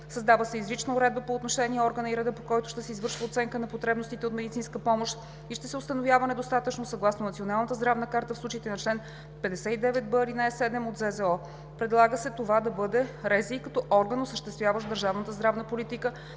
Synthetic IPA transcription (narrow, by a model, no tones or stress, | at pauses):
sɐzd̪avəsɛizɾit͡ʃnɐʊɾɛd̪̚bəpoːt̪noʃɛniɛɔɾɡənəiɾɛd̪əpokɔjt̪ʊ̥ʃt̪ɛsɛizvɤɾʃvəot̪sɛŋkənɐpot̪ɾɛbnost̪it̪ɛot̪mɛd̪it̪sinskəpɔmoʃt̪ | iʃt̪ɛsɛost̪ɐnovjavənɛd̪ost̪at̪ət͡ʃnosɐɡlˠasnonɐt̪sionalˠnət̪əzd̪ɾavnəkaɾt̪əfslˠut͡ʃit̪ɛnɐt͡ʃlɛn | pɛd̪ɛsɛid̪ɛvɛt̪̚bəɾinaɛsɛd̪ɛmot̪zɛzɛɔ | pɾɛd̪lˠaɡəsɛt̪ovad̪ɐbɤd̪ɛɾɛzikɐt̪ɔʔɔɾɡənosəʃt̪ɛst̪vjavəʃd̪əɾʒavnət̪əzd̪ɾavnəpolit̪ikə